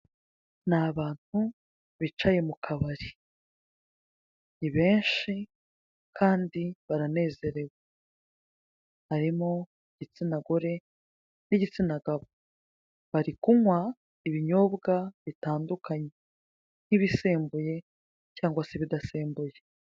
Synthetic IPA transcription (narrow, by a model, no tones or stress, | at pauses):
naβaːn̥hu | βit͡ʃaje̞mukʰaβaɾi | niβe̞ːnʃi | kʰaːndiβaɾane̞ːze̞ɾe̞ɡwa | haɾimo̞ | iɟit͡sinaɡoɾe̞ | niɟit͡sinaɡaβo | βaɾikuŋwa | iβiɲo̞ːbɡaβitaːndukaɲe | n̥iβise̞ːmbuje̞ | caːŋɡwaseβidaseːmbuje